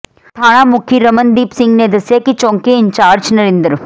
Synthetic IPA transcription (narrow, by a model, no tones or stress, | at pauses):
t̪ʰaːɳaːmukʰiɾɐmɐnd̪iːpsiŋɡneːd̪ɐsjekit͡ʃoːŋkeiɲt͡ʃaːɾd͡ʒnɐɾind̪ɐɾu